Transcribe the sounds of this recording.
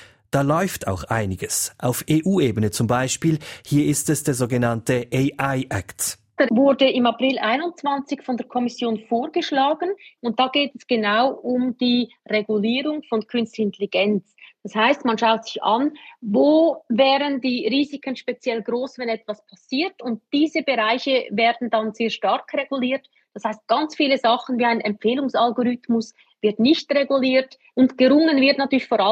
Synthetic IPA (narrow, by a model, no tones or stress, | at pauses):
d̥aːlɔʏftʰa̰ʊxʔaɪnɪɡəsʔa̰ʊfeːʔuːeːbənət͡sʊmbaɪʃpiːlhiːɐɪstɛsd̥eːɐzoːɡənantəʔeɪʔaɪʔɛ̰kt | d̥aːvʊɾdəɪmaprɪlʔaɪnʊnt͡sv̥ant͡sɪçfɔndɛːɐɾkʰɔmɪsjoːnfoːɾɡəʃlaːɡən̩ʊnt̚d̥aːɡeːtɛsɡ̥enaʊʔʊmd̥iː | reɡuliːɾʊŋfɔnkʰʏnstlɪnteliɡ̥ɛnt͡sd̥ashaɪstmanʃaʊtsɪça̰nvoːvɛːɾəndiːʁiːzikʰənʃpet͡sjɛlɡɾoːsvɛnɛtv̥aspʰasiːtʊnt̚d̥iːzəbeʁaɪçəvɛːɐdn̩danz̥eːɐʃtɑɾkreɡuliːɾt | d̥ɑshaɪst̚ɡ̥ɑnt͡sfiːləzɑχən̩viːaɪnɛmp͡feːlʊŋsalɡoɾʏtmʊs | vɪɐtnɪçtʁeɡuliːɾt | ʔʊntɡ̥əɾʊŋənvɪɐtnatʰyːlɪçfoːɾ